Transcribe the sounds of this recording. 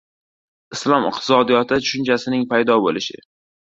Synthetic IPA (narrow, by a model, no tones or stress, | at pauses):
ɪslˠɒmɪ̰q̚t̪ʰɪ̥sɒd̪ijɒt̪ʰɪt͡ʃ̪ʰʊʃʊnt͡ʃʰasɪnɪŋpʰajd̪ɒbolɪʃɪ̰